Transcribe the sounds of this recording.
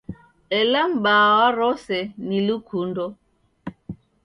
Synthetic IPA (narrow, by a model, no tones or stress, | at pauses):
ɛlam̩ɓawaɾɔsɛnilukʰundɔ